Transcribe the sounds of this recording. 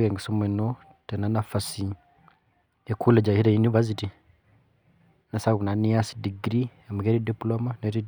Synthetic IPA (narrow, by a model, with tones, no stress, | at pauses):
je˨ŋɡi˨so˦me˨no | te˨na˦nafasi | ekʰu˦le˨d͡ʒa˨i˦ɾa˨juni˦va˦s̬iti | na˨saku˨na˨niasdi˨ɡɾie˨ma˨ɡe˦ɾidiplomaneɾi